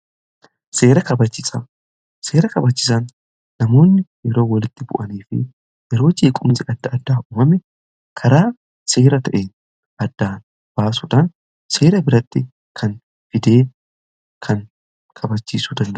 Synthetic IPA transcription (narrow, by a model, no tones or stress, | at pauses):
se̞ːɾɐkɐbɐt͡ʃːɪsɐ | se̞ːɾɐkɐbɐt͡ʃːɪs̬ɐnː | ɐmo̞ːnːɪjɛɾo̞ːwɐlɪt̪ːɪbʊ̰ʔɐniːfɪ̰ | jɛɾo̞ːd͡ʒeːkʼʊmsɪʔɐd̪ːɐɐd̪ːaːuːmɐmɛ | kʰɐɾaː | seːɾɐt̪ɐʔe̞ːn | ɐd̪ːaːn | b̥aːsʊᶑ̪ɐn | se̞ːɾɐbɪɾɐt̪ːɪ | kʰɐn | fɪd̪e̞ː | kʰɐn | kʰɐbɐt͡ʃːiːsʊd̪ɐnd̪ɐ